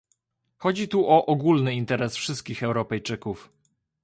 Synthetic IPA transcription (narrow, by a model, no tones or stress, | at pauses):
xɔd͡ʑit̪uʔɔʔɔɡulnɘint̪ɛɾɛsfʂɘst̪̚kʲixɛwɾɔpɛjt͡ʂɘkuf